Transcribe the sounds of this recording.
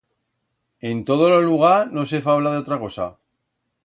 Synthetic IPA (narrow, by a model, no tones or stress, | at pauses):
e̞nt̪o̞ð̞ololuɣ̞aɾno̞s̬e̞faβlaðeo̞t̪ɾako̞sa̰